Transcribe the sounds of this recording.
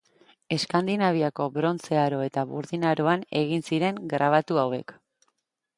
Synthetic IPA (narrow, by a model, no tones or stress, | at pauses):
e̞skand̪inaβ̞iako̞bɾo̞nt͡se̞aɾo̞e̞t̪aβṵɾðinaɾo̞ane̞̰ɣinsiɾe̞ŋɡɾaβ̞at̪uawe̞̰k